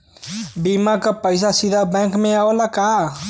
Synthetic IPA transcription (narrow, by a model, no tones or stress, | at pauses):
bimakəpəjs̬asid̪ʱabɛ̃ŋkmeaolaka